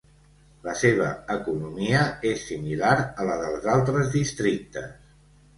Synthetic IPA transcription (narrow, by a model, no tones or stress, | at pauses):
ləseβ̞ə̰əkunumiəesːimilaɾələðəlˠzalˠt̪ɾəzðist̪ɾik̚t̪ə̰s